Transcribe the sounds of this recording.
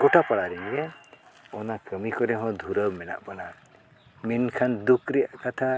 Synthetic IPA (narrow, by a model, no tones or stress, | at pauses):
kɔʈʰapaɽaɾɛnɡɛ | ɔnakəmikɔɾɛɦɔ̃d̪ʱuɾəmɛna̰ʔpana | minkʰand̪ukɾɛjaʔkat̪ʰa